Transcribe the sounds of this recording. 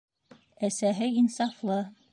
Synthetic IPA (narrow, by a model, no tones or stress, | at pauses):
æsæɦɘinsɑflˠɤ